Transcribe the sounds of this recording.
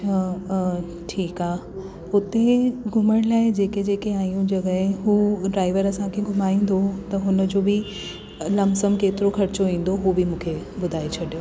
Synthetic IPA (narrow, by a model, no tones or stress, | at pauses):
a | ʈʰiːkaːɦ | ʊt̪eɡʱʊməɽ̃laːɪd͡ʑeːked͡ʑeːkeaːijũd͡ʑɐɡəɦɪ̃ɦuːɖɾaːɪʋəɾɐsãkʰeɡʱʊmaːĩːn̆d̪ot̪ɐɦʊnə̆d͡ʑoːbɪ | lɐmsəmkeːt̪ɪɾoxʰɐɾɪt͡ɕoʋĩːn̆d̪oɦubɪmũːkʰebʊd̪ʱaːet͡ɕʰɐɗijoː